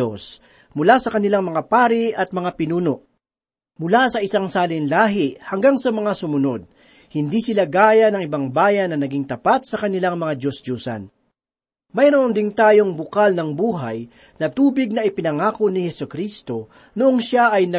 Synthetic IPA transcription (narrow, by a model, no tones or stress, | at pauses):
os | mʊlasɐkɐnɪlaŋmɐŋapaːɾɪʔɐt̪̚mɐŋapɪnuːno̞ʔ | mʊlasɐʔɪsaŋsaːlɪnlaːɦɪʔhɐŋɡaŋsɐmɐŋasʊmʊno̞d̪̚ | hɪnd̪isɪlaɡaːjɐnɐŋʔɪbaŋbaːjɐnːɐnɐɡiŋt̪ɐpat̪̚sɐkɐnɪlaŋmɐŋad͡ʒosd͡ʒuːsɐ̰n | mɐjɾoʔond̪ɪnt̪aːjo̞ŋbʊkalnɐŋbuːɦɐj | nɐt̪uːbɪɡ̚nɐʔɪpɪnɐŋaːkonɪhɛsʊkɾist̪o̞ | noʔoŋʃaʔɐjnɐ